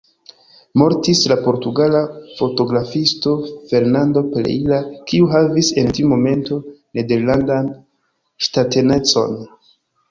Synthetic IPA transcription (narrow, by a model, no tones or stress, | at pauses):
mo̞ɾtislapo̞ɾtuɡalafo̞to̞ɡɾafisto̞fe̞ɾnando̞plḛilakiuɦavise̞ntimo̞me̞nto̞ne̞de̞ɾlandan | ʃtatene̞t͡so̞̰n